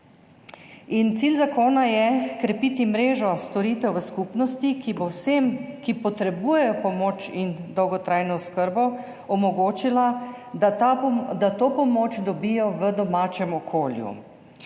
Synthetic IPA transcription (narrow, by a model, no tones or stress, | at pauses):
int̪siːlzakoːnajɛkɾɛpiːt̪imɾeːʒɔst̪ɔɾiːt̪ɛwʋəskupnɔst̪ikbosemkipɔt̪ɾɛbuːjɛjɔpɔmoːt͡ʃind̪ɔwɡɔt̪ɾajnɔskəɾbɔ | ɔmɔɡoːt͡ʃila | d̪at̪oːpɔmoːt͡ʃd̪ɔbiːjɔʋəd̪ɔmaːt͡ʃɛmɔkʰoːljṵ